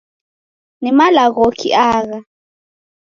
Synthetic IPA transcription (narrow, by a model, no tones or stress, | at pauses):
nɛmalaɣokʰḭʔaːɣa